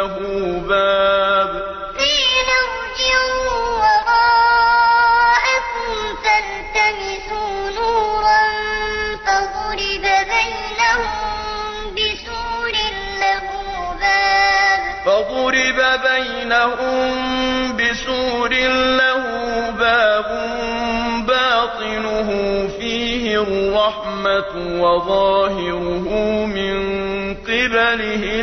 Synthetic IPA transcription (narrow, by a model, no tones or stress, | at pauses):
ɦuːbaːb | fiːnaw | d͡ʒɪɾuwɑɾˤɑː | ʔakʊmt̪an | t̪amɪsuːnuːɾˤɑnfaðˤʊɾɪbabaj | nahʊm | bɪsuːɾɪn | lahuː | baːbfɑðˤʊɾɪbabaj | nahʊmbɪsuːɾɪnlahʊːbaːbʊ | ʊmbaːt̪ˤɨnʊɦʊfiːɦɪrˤːɑħ | ma | wɑðˤɑːhɪɾʊɦʊmɪn | qɪbalɪhɪ